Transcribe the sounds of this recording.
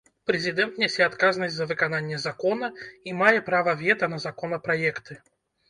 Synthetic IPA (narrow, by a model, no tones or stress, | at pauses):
pɾʲɛzʲɪd̪ɛnt̪nʲɛsʲɛat̪kaznɐsʲtʲzɐvɨkananʲːjɛzakɔnɐimajɛpɾavɐvʲɛt̪ɐnɐzakɔnɐpɾajɛkt̪ɨ